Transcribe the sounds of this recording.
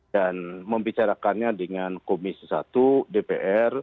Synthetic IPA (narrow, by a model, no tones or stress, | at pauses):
anməmbit͡ʃaɾakanɲadəŋankomisə̥sa̰t̪udepeʔɛr